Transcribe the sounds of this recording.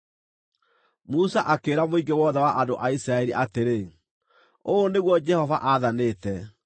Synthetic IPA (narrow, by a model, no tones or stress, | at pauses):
musaʔakeːɾamoiɡewɔðɛwaʔandoʔaisɾaɛɾiʔateɾe | oːneɣwɔd͡ʒɛhɔvaʔaðaneːtɛ